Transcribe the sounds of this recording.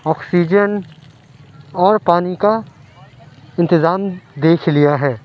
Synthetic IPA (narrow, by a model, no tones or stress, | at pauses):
ɔːksiːd͡ʒən | ɔːɾpaːnika | ɪ̃nt̪ɪzaːmd̪eːkʰlijaɦɛː